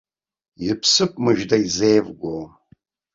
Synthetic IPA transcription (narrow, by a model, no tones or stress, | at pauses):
ipʰsɨpʼmɨʒdaizejvɡʷo